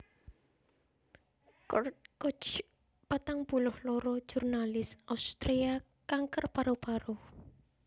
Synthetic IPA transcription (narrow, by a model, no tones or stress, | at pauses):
kɔt͡ʃ | pat̪aŋbulʊhlɔɾɔ̥ʒ̥urnalɪsawst̪ɾea | kaŋkərpaɾopaɾo